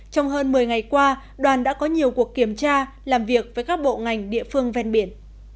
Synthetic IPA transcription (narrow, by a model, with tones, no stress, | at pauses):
t͡ɕɔ˧wŋ͡mɦəː˧nmɨ˨˩əjŋa˨˩jkwaː˧ | ɗwaː˨˩nɗa̰ː˧˥kɔ˨˦ɲi˨˩əwku˨˩əkːi˧˩əmt͡ɕaː˧ | laː˨˩mvi˨˩ək̚vəː˨˦jkaː˦˥k̚ɓo̰˧˨ŋa˨˩jŋ̟ɗḭ˧˨əfɨ˧əŋvɛ˧nɓi˧˩ən